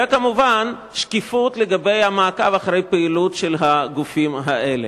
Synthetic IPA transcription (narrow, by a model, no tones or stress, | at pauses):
ekamuvan | ʃkifut̪leɡabe̞jhamaːkavaχaʁejpeilutʃelɦaɡufimɦaʔele